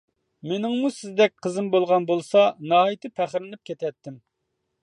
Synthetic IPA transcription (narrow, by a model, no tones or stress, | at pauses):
menɪŋmusɪzd̪ɛk̚ʲqʰəzɨmbolˠʁɑnbolˠsɑnɑːit̪ʰɨpʰæχɾɪnɪp̚kʲʰet̪ʰɛt̪ʰːɪm